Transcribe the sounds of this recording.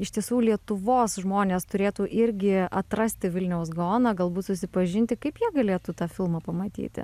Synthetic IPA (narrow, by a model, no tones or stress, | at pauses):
ɪʃt̪ʲiɛsuːlʲiɛt̪ʊʋoːsʒmoːnʲeːst̪ʊɾʲeːt̪uːʔɪɾʲɡʲɪɐt̪ɾɐsʲt̪ʲɪʋʲɪlʲnʲɛʊs̬ɡoːnɐːɡɐlˠbuːt̪sʊsʲɪpɐʒʲɪnʲt̪ʲɪkɐɪpjiɛɡɐlʲeːt̪uːt̪ɑːfʲɪlˠmɑːpɐmɐt̪ʲḭːt̪ʲɪ̰